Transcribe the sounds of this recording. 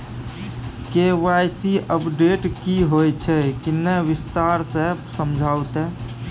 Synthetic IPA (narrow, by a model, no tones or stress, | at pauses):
keʋajsiəpɖeʈkiɦojt͡ʃʰɛkineʋist̪aɾsesəmd͡ʒʱawt̪ɛ